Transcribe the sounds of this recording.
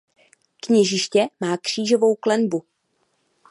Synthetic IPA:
kɲɛʒɪʃcɛmaːkr̝̥iːʒo̞vo̞wklɛnbu

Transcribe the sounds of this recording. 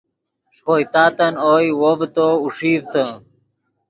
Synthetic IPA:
ʂojt̪aːt̪ɐnojwovt̪ouʂiːvt̪ə̃

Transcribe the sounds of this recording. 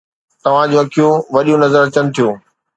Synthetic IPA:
t̪ɐʋ̤ãd͡ʑoɐkʰijõʋɐɗõnɐzəɾɐt͡ɕənɪ̆t̪ʰijoː

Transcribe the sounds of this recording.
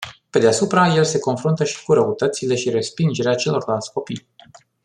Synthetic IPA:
pe̞d̪easupɾaje̞lse̞ko̞nfɾunt̪əʃi̥kuɾəut̪ət̪sile̞ʃiɾe̞spind͡ʒe̞ɾeat͡ʃe̞lo̞rlalt̪sʲko̞pij

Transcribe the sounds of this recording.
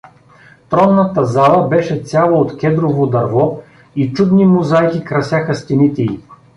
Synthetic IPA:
t̪ɾɔnːɐt̪əzalˠəbɛʃɛsʲjalˠoot̪kʲɛd̪ɾovod̪ɐɾvɔ | it͡ʃud̪nimʊzajkʲikɾɐsjaxɐst̪ɛnit̪ɛi

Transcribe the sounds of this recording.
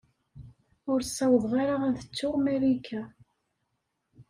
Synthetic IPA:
ʊɾsːæwəðˤʁaɾaænθə̥t͡sːʊʁmæɾikʰːæ

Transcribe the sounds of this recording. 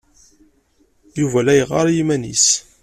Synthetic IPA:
juvælæjəʁɑ̰ɾjimænḭs

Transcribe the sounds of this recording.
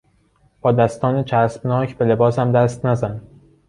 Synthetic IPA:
b̥ɒːd̪æst̪ɒːnet͡ʃʰæsbnɒːcʰbe̞le̞bɒːsæmd̪æst̪næzæn

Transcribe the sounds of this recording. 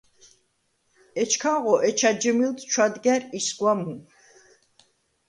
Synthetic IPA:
ɛt͡ʃʰkʰaʁɔʔɛt͡ʃʰad͡ʒəmilt̪ʰt͡ʃʰwad̪ɡɛɾisɡwamu

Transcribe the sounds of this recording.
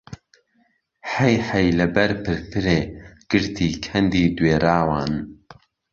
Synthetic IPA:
ħɛjħɐjlɐbɐɾpʰɨɾfɨɾeːɡ̥ɨɾt̪ʰiːkʰɐnd̪iːd̪weːɾaːwaːn

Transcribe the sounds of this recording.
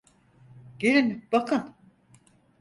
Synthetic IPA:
ɟ̥eɾinbakʰɯn

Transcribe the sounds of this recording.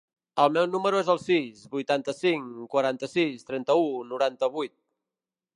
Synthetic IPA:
əlˠmɛwnuməɾuezəlˠsizbujt̪ant̪əsiŋkwəɾant̪əsist̪ɾɛnt̪əunuɾant̪əβujt̪̚

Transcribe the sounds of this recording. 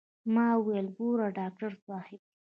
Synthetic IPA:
mɑwelɡoɾaɖɑk̚ʈaɾswɑhɪb̚

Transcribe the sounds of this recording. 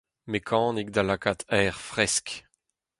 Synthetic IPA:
mekʰɑ̃ːnik̚d̪alakat̪ɛːʁfʁɛsk

